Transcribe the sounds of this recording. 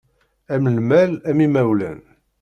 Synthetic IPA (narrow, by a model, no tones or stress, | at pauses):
æmlmælæmimæwlæ̰n